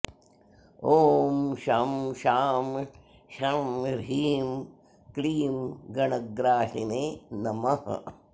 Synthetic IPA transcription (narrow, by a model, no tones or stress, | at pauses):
oːmʃamʃaːm | ʃamɾiːm | kɾiːmɡɐnɐɡɾaːʃineːnɐmɐh